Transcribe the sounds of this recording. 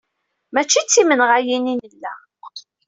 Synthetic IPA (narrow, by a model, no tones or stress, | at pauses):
mæt͡ʃːit͡sːimənʁajininəlːæ